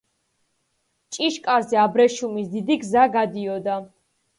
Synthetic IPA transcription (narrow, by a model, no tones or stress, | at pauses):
t͡ʃʼiʃkʼaɾzɛabɾɛʃumisd̪id̪iɡzaɡad̪iɔd̪a